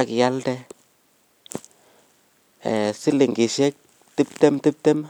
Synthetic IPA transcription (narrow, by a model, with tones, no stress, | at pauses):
a˨kja˦ldɛ˦ | ɛ˨sɪ˦lɪ˨ŋɡɪ˨ʃɛ˦k̚ | ti˦p̚tɛ˦mti˦p̚te˦m